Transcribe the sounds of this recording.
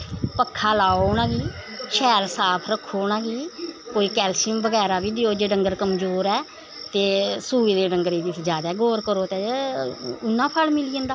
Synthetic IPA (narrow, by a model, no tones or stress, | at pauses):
pəkʰːaːlaːoːnãːɡiːʃɛːɾsaːpʰɾəkʰːoːnãːɡiːkoːiːkɛːlsɪmbəɡɛːɾaːbiːd̪ɪoːd͡ʒeːɖəŋɡəɾkəmd͡ʒoːɾɛː | t̪eːsuːiːd̪eːɖəŋɡɾiːd̪iːd͡ʒaːd̪ɛːɡoːɾkəɾoːt̪eː | ʊnːãːpʰəlmɪliːə̃ːnd̪aː